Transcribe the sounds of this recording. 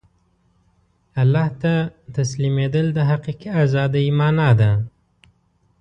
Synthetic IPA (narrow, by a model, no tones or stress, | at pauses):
alːɑht̪at̪aslimed̪əld̪əɦaqiqiazɑd̪ajmɑnɑd̪a